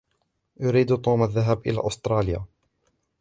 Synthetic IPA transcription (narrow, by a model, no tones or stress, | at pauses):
jʊɾiːd̪t̪ˤuːmaðːaɦabʔɪ̰la̰ːʔʊst̪ɾˤɑːlɪja̰ː